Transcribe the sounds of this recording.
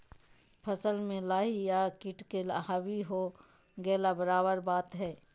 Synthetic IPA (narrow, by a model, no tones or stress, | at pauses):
pʰəsəlmẽlaːɦijakɪʈkelaɦabiɦo | ɡɛːlabəɾaːbəɾbaːt̪ɦɛː